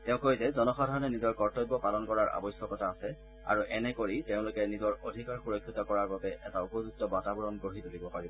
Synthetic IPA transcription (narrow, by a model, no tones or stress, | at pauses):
teʊ̃kozɛzɔnɔxɔdʱaɹɔnɛnizɔɹkɔɹtɔjbːɔpalɔnkɔɹaɹa̰bɔjsjɔkɔtʰaːsɛ | a̰ɹuʔɛnɛkoɹiteʊ̃lʊkɛnizɔɹodʱikaɹxuɹɔkʰːitɔkɔɹaɹbabɛʔɛtaupozuk̚tɔbatabɔɹɔnɡoɦizolibɔpaɹibɔ